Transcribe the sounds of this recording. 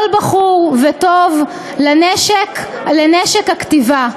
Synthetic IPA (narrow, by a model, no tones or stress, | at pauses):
lbaχuʁvetov | laneʃek | leneʃekhaktiva